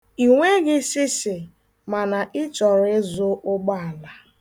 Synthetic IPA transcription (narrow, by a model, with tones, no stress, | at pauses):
i˨ŋʷe˦ɡɪ˦sɪ˦sɪ˨ | ma˨na˨ʔɪ˦t͡ʃɔ˨ɾɪ˦zʊ˦ʔʊ˦ɡ͡ba˦a˨la˨